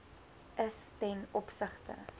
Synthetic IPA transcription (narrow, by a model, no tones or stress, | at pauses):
ʔəstɛnɔpsəχtə̰